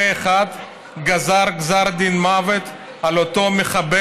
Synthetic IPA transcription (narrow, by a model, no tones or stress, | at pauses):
eχad̪ | ɡazaʁɡzaʁd̪inmavet̪ | alot̪o̞meχabe